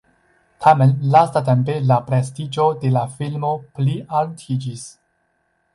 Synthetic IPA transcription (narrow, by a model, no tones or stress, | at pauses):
tʰame̞nlastat̬e̞mpe̞lapɾe̞stid͡ʒo̞de̞lafilmo̞pliʔalutʰid͡ʒis